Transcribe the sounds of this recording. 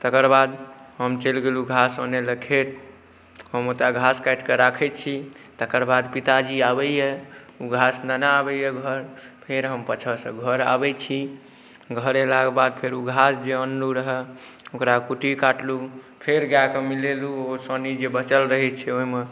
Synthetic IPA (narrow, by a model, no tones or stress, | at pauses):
t̪əkəɾbad̪ɦəmt͡ʃelɡeluɡʱasəneləkʰet̪̚ | ɦəmot̪ɾaɡʱaskaɪʈkeɾakʰɛt͡ʃʰi | t̪əkəɾbad̪pit̪ad͡ʒiabɛjɛ | uɡʱasnənaabɛjeɡʱəɾpʰeɾɦəmpət͡ʃʰəsə̰̃ɡʱəɾa̰bɛt͡ʃʰi | ɡʱəɾelakebad̪̚pʰeɾuɡʱasd͡ʒeənluɾəɦɛ | okɾakuʈikaʈlu | pʰeɾɡakemileluosənid͡ʒebət͡ʃəlɾəɦɛt͡ʃʰɛoɦme